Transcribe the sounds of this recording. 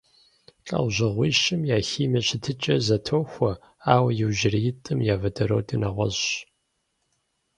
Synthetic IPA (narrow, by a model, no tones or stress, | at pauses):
t͡ɬʼɐ̰wʑɪʁʷiːʃɪmjaːxiːmɐɕɪtʰɨt͡ʃʼɐzɐtʰoːwxʷɐ | aːwɐjɪwʒɪrijɪtʼɨmjaːvɐdʰɐɾo̰wdʰʼinɐʁʷɔ̰zɕ